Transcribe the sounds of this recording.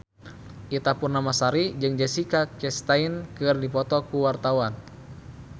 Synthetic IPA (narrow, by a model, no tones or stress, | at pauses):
ʔit̪apurnamasaɾid͡ʒɨŋd͡ʒasikakɛst̪ainkɨrdipɔt̪ɔkuwart̪awan